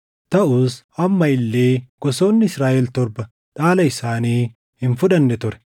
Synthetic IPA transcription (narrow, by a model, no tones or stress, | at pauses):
t̪ɐʔuːs | ɐmːɐɪlːe̞ːɡ̥ɔso̞ːnːɪɪsɾaːʔɛlt̪ɔɾbɐ | ᶑaːlɐɪsaːniː | hɪnfʊᶑɐnːɛt̪ʊɾɛ̥